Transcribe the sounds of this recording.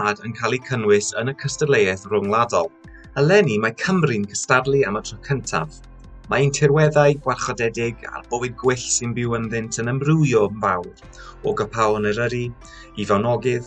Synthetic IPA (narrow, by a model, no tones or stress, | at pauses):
adənkʰalˠikʰənwɪsənəkʰəstədlˠejɛθrʊŋlˠadɔlˠ | əlˠɛnimakʰəmrɨnkʰəstarlˠiamətʰrɔkʰəntʰa̰v | maintʰɪɾwɛðaɨɡwarχɔdɛdɪɡa̰rb̥owɨd̚ɡwɪɬsɪnbɪwənðɪntʰənəmrɪjɔmvawd̥ | oɡəpʰawnəɾəɾi | ivawnɔɡɪð